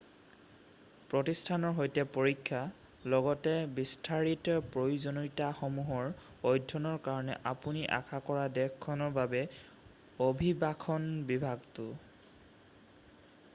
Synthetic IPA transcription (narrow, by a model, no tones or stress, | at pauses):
pɹɔtistʰanɔɹɦojtɛpoɹikʰːa | lɔɡɔtɛbistʰaɹitpɹojuzonɔjtaxɔmuɦɔɹ | ojdʱːɔnɔɹkaɹɔnɛ̰ʔapuniʔa̰kʰakɔɹadɛkʰkʰːɔnɔɹbabɛ | obʱibakʰɔnbibʱaɡtʊ